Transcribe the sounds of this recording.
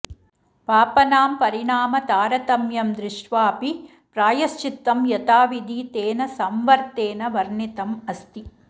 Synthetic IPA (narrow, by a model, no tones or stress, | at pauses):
paːpɐnaːmpɐɾiɳaːmɐt̪aːɾɐt̪ɐmjɐmd̪ɾɪʂʈʋaːpi | pɾaːjɐst͡ʃit̪ːɐmjɐt̪aːʋid̪iːt̪eːnɐsɐmʋɐɾt̪eːnɐʋɐɾɳit̪ɐmɐst̪i